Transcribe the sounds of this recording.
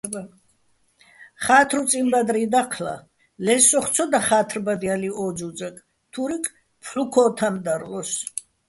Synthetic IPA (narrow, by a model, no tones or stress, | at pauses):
χaːt̪ʰɾut͡sʼimbad̪ɾiːd̪aqʰla̰ | lɛsɔχt̪sʰɔd̪aχaːt̪ʰrbad̪ialiɔd͡ʒud͡ʒakʼ | t̪ʰuɾikʼ | pʰħukʰɔːt̪ʰamd̪aɾlɔs